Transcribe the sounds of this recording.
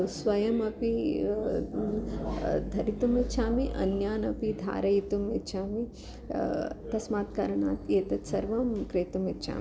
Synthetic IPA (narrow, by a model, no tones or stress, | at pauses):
sʋɐjɐmɐpi | d̪ʱɐɾit̪umit̪t͡ʃʰaːmiʔɐ̰njaːnɐpid̪ʱa̰ːɾɐjit̪umit̪t͡ʃʰaːmi | t̪ɐsmaːt̪̚kɐɾɐɳa̰ːt̪eːt̪ɐt̪sɐɾʋɐmkɾeːt̪umit̪ːt͡ʃʰa̰ːmi